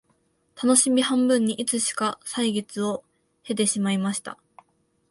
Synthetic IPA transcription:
t̪ʰano̞ɕimʲihãmbɯ̟̃ɲ̟ːiʔit͡sɨɕi̥kasaiɡe̞t͡sɨo̞ | he̞t̪̬e̞ɕimaimaɕi̥t̪a̰

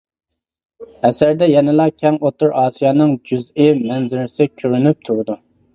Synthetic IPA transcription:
ɛsæɾd̪ɛjɛnɪlˠɑkʲʰɛŋot̪uɾɑːsijɑːnɨŋd͡ʒyzɪmɛnzɪɾɪsɪkʲʰøɾynyp̚t̪ʰuɾɨd̪u

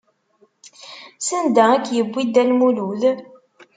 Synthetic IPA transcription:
sənd̪æækːjəbʷːid̪ælmuluð

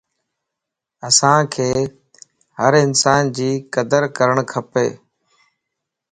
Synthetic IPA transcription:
əsãːkʰeː | həɾɪnsaːnd͡ʑiːkəd̪əɾkəɾəɳ̃kʰəpeː

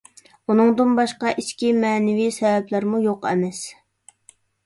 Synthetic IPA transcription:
unɨŋd̪ɨnbɑʃqɑʔit͡ʃkʲimɛːnɪvisɛvɛplæɾmujoqɛ̰mɛs

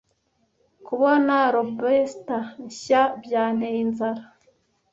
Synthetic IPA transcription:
kuβonaɾobestaɲɕabjaːn̥einzaɾa

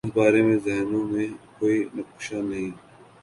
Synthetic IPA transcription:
ɪsbaːɾemẽzɛːnõːmẽkoːiːnɐpʊʃaːnɐɦĩː

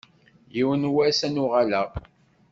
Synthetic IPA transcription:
jiwənwæsænuʁalæ

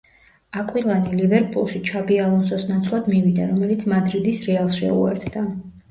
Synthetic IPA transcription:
akʼwilˠanilivɛɾpʼulˠʃit͡ʃʰabialˠɔnsɔsnat̪sʰlˠad̪mivid̪aɾɔmɛlit̪sʰmad̪ɾid̪isɾɛalˠsʃɛ̰ṵɛ̰ɾt̪ʰd̪a

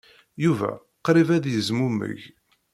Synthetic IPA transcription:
juvæ̰ | qɾivæðjəzmumə̰ʝ

